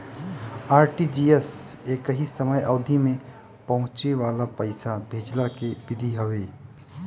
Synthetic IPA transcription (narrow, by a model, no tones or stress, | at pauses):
aːɾʈid͡ʒiːeseːkəɦisəməjəʊd̪ʱimẽ | pɐɦʊ̃t͡ʃeʋaːlapəɪsabʱeːd͡ʒlakebɪd̪ʱiɦəʋeː